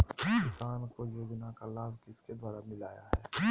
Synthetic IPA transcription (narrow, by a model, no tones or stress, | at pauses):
ɪsaːnkojoːɡɪnakalaːbkɪsked̪waːɾamɪlaːja̰ɦɛː